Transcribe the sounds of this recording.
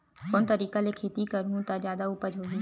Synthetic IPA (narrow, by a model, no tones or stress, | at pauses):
kɔːnt̪ɐɾiːkalekʰeːt̪ikɐɾɦũt̪ad͡ʒjaːd̪auːpəd͡ʒʱɦoːɦũ